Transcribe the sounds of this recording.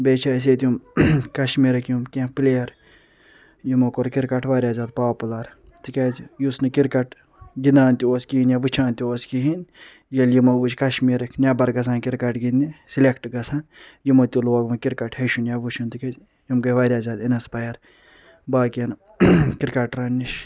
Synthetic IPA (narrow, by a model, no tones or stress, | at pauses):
bet͡ʃʰaːs̬eːt̪jumkɐʃmiːɾɐkʰjumkʲẽpleːjɐɾ | jimokoɾkiɾkɐʈʋaːɾʲaːzaːd̪paːpulɐɾ | t̪ikezjusnɨkiɾkɐʈ | ɡid̪aːnt̪ʲioːskiinjaʋɨt͡ʃʰãːnt̪ʲioːskiɦin | jɐljimɐʋut͡ʃkɐʃmiɾɐkʰnʲabɐɾɡɐs̬aːnkiɾkɐʈɡinisilekʰʈɡɐsʰaːnjimot̪ʲuloɐɡmɐkiɾkɐʈʰheʃunjaʋut͡ʃʰunt̪ike | jumkɐʋaːɾʲaːzaːd̪inɐspɐjɐɾ | baːkɐn | kiɾkɐʈɾɐnʲːiʃ